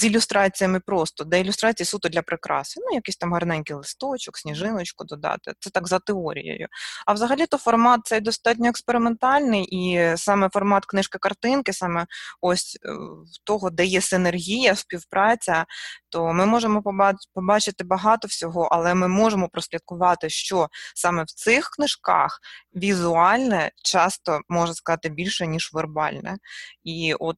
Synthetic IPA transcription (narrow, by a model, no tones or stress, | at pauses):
zilʲʊst̪ɾɑt͡sʲijɐmɪpɾɔst̪ɔd̪ɛɪlʲʊst̪ɾɑt͡sʲijisut̪ʊdlʲɐpɾɪkɾɑ̰snʊjɐkɪsʲt̪ɑmɦɐrnɛnʲkɪjlˠɪst̪ɔt͡ʃɔksʲnʲiʒɪnɔt͡ʃkʊd̪ɔd̪ɑ̰t̪ɪ̰t̪sɛt̪ɑɡzɐt̪ɪɔɾʲḭjo̰jʊ̰ɐwzɐɦɐlʲit̪ɔfɔrmɑt̪̚sɛjd̪ɔst̪ɑt̬ʲnʲɔɛkspeɾɪment̪ɑlʲnɪjʔisɑmɛfɔrmɑt̪knɪʃkɪkɐrt̪ɪnkɪsɑmɛɔsʲwt̪ɔɦɔd̪ɛjɛsɪnerɦʲijɐspʲiwpɾʔɑt͡sʲɐt̪ɔmɪmɔʒemɔppɔbɑt͡ʃɪt̪ɪbɐɦɑt̪ɔwsʲɔɦɔʔɐlˠɛmɪmɔʒemɔpɾɔsʲlʲɐd̪̚kʊʋɑt̪ɪʃt͡ʃɔsɑmɛwt̪sɪxknɪʃkɑ̰xʋʲizʊɑlʲnɛt͡ʃɑst̪ɔmɔʒɐskɐzɑt̪ɪbʲilʲʃɛnʲiʒʋerbɑ̰lʲnɛ̰iʔɔt̪̚